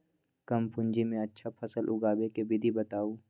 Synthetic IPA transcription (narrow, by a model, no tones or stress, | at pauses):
kɐmpʊ̃ɲd͡ʒimẽɐtːʃʰapʰɐsəlʔʊɡaːbekebɪd̪ʱibɐt̪aːuː